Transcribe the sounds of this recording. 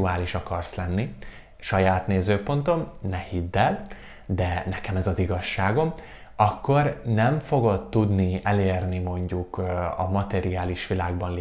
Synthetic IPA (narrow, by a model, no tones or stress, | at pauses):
uaːliʃɒkɒrslɛnːi | ʃɒjaːt̪neːzøːpo̞nt̪o̞mnɛhid̪ːɛl | d̪ɛnɛkɛmɛzɒziɡɒʃːaːɡo̞m | ɒkːo̞rnɛɱfo̞ɡo̞t̪ːud̪niɛleːrnimo̞ɲɟukɒ̰mɒt̪ɛɾiaːliʃʋilaːɡbɒnl